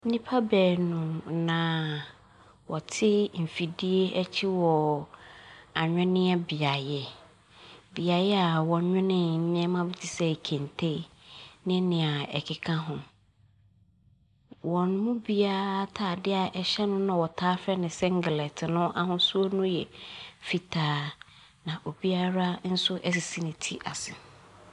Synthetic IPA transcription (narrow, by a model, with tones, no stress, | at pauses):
n̩˦nĩ˦pʰa˦bɛː˨nũ˨nã˨ | wɔ˨tʰɪ˦m̩˨fi˨di˦e˦ɛ˦t͡ɕʰi˦wɔ˨ | a˨ɲᶣɛ̃˦nɪ̃˦ɛ˦bi˨a˨jɛ˨ | bi˨a˨jɛ˦a˨wɔ̃˨˦ɲᶣɛ̃˦nɪ̃˨m̩˦mɪ̃˦ɛ˦mã˦bɪ˦tʰi˨sɛ˦˨kʰẽ˨ntʰe˦ | nɪ̃˦nɪ̃˨a˨ɛ̰˨kʰɪ˨kʰã˦ɦʊ̃˨ | wɔ̃˨n˦mũ˦bi˦a˦a˦tʰaː˨dɪ˦a˨ʔɛ˨ɕɛ˦nʊ̃˦nã˨wɔ˨tʰaː˦fɛ˦nɪ̃˨sɛ̃˦ŋ˦ɡɪ˨lɛ˨tʰɪ˨nʊ̃˦ʔa˦ɦʊ̃˦su˦o˦nʊ̃˦jɛ˨fi˨tʰaː˦ | nã˨ʔo˨bi˦a˦ɾa˦n̩˦sʊ˦ʔɛ˦si˨si˦nɪ̃˨tʰi˦ʔa˨sɪ˨